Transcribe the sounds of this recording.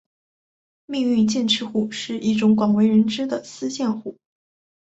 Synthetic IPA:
mi˥˧ŋy˥˧nt͡ɕjɛ˥˩nʈ͡ʂʰɻ̩˥xu˥˧ʂɻ̩˥˧ʔi˥˩ʈ͡ʂʊ˧˥ŋkwɑ˨˩ŋwe˧˥ɪɻə˧˥nʈ͡ʂɻ̩˥d̪ə˨sɹ̩˥ɕjɛ˥˧nxu˥˩˦

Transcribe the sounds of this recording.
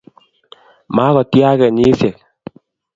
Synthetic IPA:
ma˨˦kɔ˨tja˦kɛ˨ɲi˦sjɛ˨k̚

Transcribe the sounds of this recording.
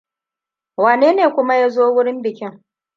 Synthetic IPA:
waː˨neː˦neː˨kʷʊ˦ma˦ja˦zoː˦wʊ˦ɽɪ˦mbɪ˨kʲɪ˦ŋ

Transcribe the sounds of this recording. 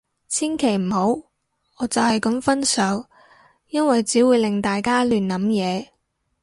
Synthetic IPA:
t͡sʰiː˥nkʰe˨˩jm̩˨˩ho˨˥w | ɔː˨˧t͡sɐ˨whɐ˨jkɐ˨˧mfɐ˥nsœː˨˧˥w | jɐ˥nwɐ˨jt͡siː˨˥wuː˨˧jlɪ˨ŋt̪aː˨jkaː˥lyː˨nlɐ˨˥mjɛː˨˧

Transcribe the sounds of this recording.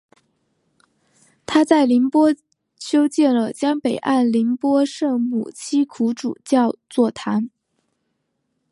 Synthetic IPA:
t̪ʰa˥t͡sa˥˩ɪli˧˥npwɔ˥ | ɕʰjo˥ʊt͡ɕjɛ˥˩nlə˩t͡ɕjɑ˥ŋpe˨˩ɪʔa˥˩nli˧˥npwɔ˥ʂɤ˥˩mṵ˨˩t͡ɕʰi˥kʰu˧˥ʈ͡ʂṵ˨˩t͡ɕjɑ˥˧ʊt͡swɔ˥˩t̪ʰa˧˥n

